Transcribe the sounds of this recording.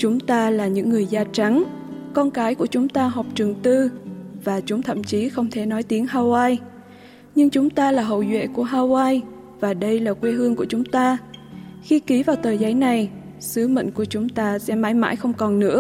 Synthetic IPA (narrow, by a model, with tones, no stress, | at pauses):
t͡ɕʊ˨˦ŋ͡mt̪aː˧laː˨˩ɲɨ̰˧˥ŋːɨ˨˩əjzaː˧t͡ɕa˨˦ŋ | kɔ˧nkaː˨˦jku˧˩ət͡ɕʊ˨˦ŋ͡mt̪aː˧ɦɔ˨˩wp̚t͡ɕɨ˨˩ŋt̪ɨ˧vaː˨˩t͡ɕʊ˨˦ŋ͡mt̪ʰə̰˧˨mt͡ɕi˨˦xə˧wŋ͡mt̪ʰe˧˩nɔ˨˦jt̪i˨˦əŋɦaː˧waː˧j | ɲɨ˧ŋt͡ɕʊ˨˦ŋ͡mt̪aː˧laː˨˩ɦə̰˧˨wzwḛ˧˨ku˧˩əɦaː˧waː˧j | vaː˨˩ɗə˧jlaː˨˩kwe˧ɦɨ˧əŋku˧˩ət͡ɕʊ˨˦ŋ͡mt̪aː˧ | xi˧ki˨˦vaː˨˩wt̪əː˨˩jza˨˦jna˨˩j | sɨ˨˦mə̰˧˨ŋ̟ku˧˩ət͡ɕʊ˨˦ŋ͡mt̪aː˧sɛ̰˧˥maː˨˦jma̰ː˧˥jxə˧wŋ͡mkɔ˨˩nːɨ̰˧˥ə